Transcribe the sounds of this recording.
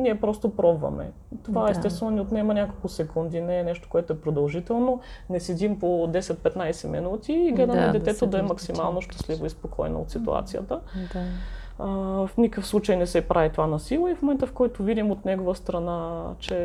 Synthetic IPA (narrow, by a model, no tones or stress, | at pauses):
niɛpɾɔst̪opɾɔbvɐ̰mɛ̰ | t̪ovaɛst̪ɛst̪vɛnonʲiot̪nɛmɐnʲakolˠkʊsɛkund̪inɛːnɛʃt̪o̥koɛt̪oɛpɾod̪ɐlˠʒit̪ɛlˠnonɛsɛd̪impod̪ɛsɛt̪̚pɛt̪najsɛmḭnut̪iːɡlɛd̪əmɛd̪ɛt̪ɛt̪od̪ɐɛmɐksimalˠnoʃt̪ɐ̥slivoispokʰɔ̰jnɐ̰ot̪sit̪ṵa̰t̪sijə̰t̪ə | fnʲikəfslˠut͡ʃəjnɛsɛpɾʔavit̪ovanɐsilˠəifmomɛnt̪əfkɔjt̪ovid̪imot̪nɛɡovəst̪ɾɐnat͡ʃɛ